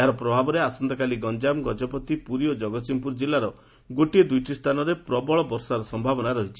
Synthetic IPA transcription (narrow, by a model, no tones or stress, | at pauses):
aɾɔpɾɔbʱabɔɾeasɔnd̪ɔkaliɡɔnd͡ʒamɡɔd͡ʒɔpɔt̪ipuɾiɔd͡ʒɔɡɔsimpuɾd͡ʒilːaɾɔ | ɡoʈied̪ujʈʰist̪ʰanɔɾepɾɔbɔɭɔbɔɾsaɾɔsɔmbʱabɔnaɾɔɦit͡ʃʰi̥